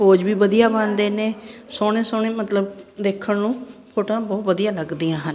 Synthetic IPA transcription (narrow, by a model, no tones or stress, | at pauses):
ɦoːd͡ʒʋiːʋəd̪ijaːbãnd̪eːneːsoːɽẽːsoːɳ̃ẽːmət̪ləb̚d̪eːkʰːəɳnũːpʰoːʈãːbɔːt̪ʋəd̪ijãːləɡd̪ijãːɦən